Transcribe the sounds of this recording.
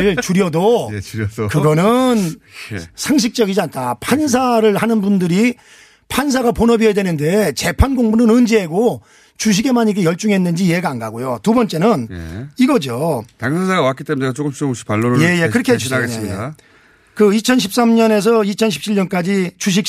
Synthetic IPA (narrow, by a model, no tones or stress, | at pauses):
ɭt͡ɕuɾjʌdo | kɯɡʌnɯn | sʰaŋɕ̬ʰik̚t͡ɕ͈ʌɡid͡ʑiantʰapʰans̬ʰaɾɯɭhanɯnbundɯɾi | pʰans̬ʰaɡaponʌbiʌjadwe̞nɯnde̞t͡ɕe̞pʰanɡoŋbunɯnɯnd͡ʑiɦeɡo | t͡ɕuɕ̬ʰiɡe̞maɲiɡejʌɭt͡ɕ͈uŋɦenːɯnd͡ʑiːɦe̞ɡaanɡaɡojotubʌnt͡ɕ͈e̞nɯniɡʌd͡ʑotaŋsʌnsʰaɡawak͈it͈emuɲit͡ɕoɡɯmt͡ɕʰiboɕʰi̥palːoɾje̞je̞kɯɾʌkʰed͡ʑe | kɯit͡ɕʰʌnɕʰip̚s͈amɲʌne̞s̬ʰʌit͡ɕʰʌnɕʰi̥p̚t͡ɕʰiɭɲʌnk͈ad͡ʑit͡ɕuɕ̬ʰik̚